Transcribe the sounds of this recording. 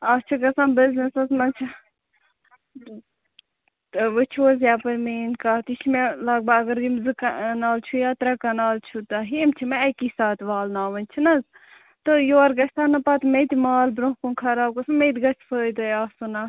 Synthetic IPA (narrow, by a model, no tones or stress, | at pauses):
ɐt͡ʃʰɐkɐsaːnbiznesɐsmɐnt͡ʃʰɐ | ʋɨt͡ʃʰoːzjaːpɐɾmeːnkaːt̪it͡ʃʰimelaɡ̚baɐɡɐɾjimzɨkɐnaːlt͡ʃʰujaːt̪ɾɐkɐnaːlt͡ʃʰut̪ɐɦimt͡ʃʰimeɐkisaːt̪ʋaːlnaːʋɐnʲt͡ʃʰinɐz | t̪ɨjoːɐɾɡɐsʲt̪ʰaːnɐpat̪met̪imaːlbɾõɦkunkʰɐɾaːb̚kɐsanmet̪ɡɐt͡ʃʰpʰəːd̪ojaːsunaː